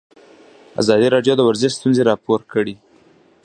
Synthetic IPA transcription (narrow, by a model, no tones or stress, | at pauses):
a̰zɑd̪iɾɑɖjod̪əwaɾzɪst̪unzeɾɑpoɾkəɽi